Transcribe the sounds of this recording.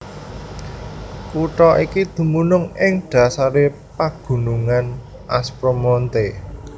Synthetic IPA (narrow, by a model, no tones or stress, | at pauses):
kuʈɔʔikid̪̥ṳmunʊŋɪŋd̪̥ä̤saɾe | paɡ̥ṳnuŋan | ʔaspɾomɔnt̪e